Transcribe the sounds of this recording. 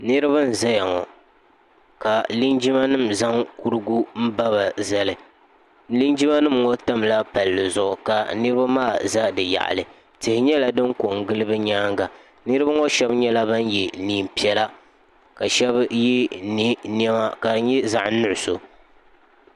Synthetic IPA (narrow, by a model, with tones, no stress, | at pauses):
nɨ˦ɾɨ˦ba˦n̩˨za˦ja˨ŋɔ˨ | ka˨li˦nd͡ʒi˦ma˦nɨ˦˨mza˦ŋku˦ɾɨ˦ɡu˦m̩˦ba˦βa˨za˦lɨ˨˦ | li˦nd͡ʒi˦ma˦nɨ˦mŋɔ˦ta˦mla˦pa˨lːɨ˨zʊ˨ʔʊ˨ka˨nɨ˦ɾɨ˦ba˦maː˦˨za˦dɨ˨ja̰˨ʔlɨ˨ | tɨ˨hɪ˨ɲɛ˦la˨dɨ˦ŋko˨ŋɡɨ˦lɨ˦bɨ˦ɲaː˦ŋɡa˨ | nɨ˦ɾɨ˦ba˦ŋɔ˦ʃɛ˦bɲɛ˦la˦ba˦n˦jɛ˨niː˦˨m˨pi˦ɛ˦la˦ | ka˨ʃɛ˦bji˦ni˦n˦ɛ˦ma˦ka˨ɲɛ˦za˨ʔnʊ˦˨ʔʊ˨so˨